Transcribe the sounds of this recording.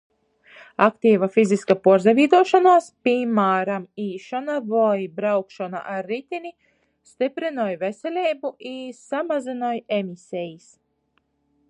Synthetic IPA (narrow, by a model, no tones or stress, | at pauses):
akt̪iːvafiziskapuɔɾzɛvʲiːd̪uɔʃanaːspimaːɾamiːʃɔnavajbɾawkʃɔna̰ʔaɾːit̪ʲini | st̪ipɾinɔjvesʲɛlʲɛːbuʔisamazinɔjemisʲɛjis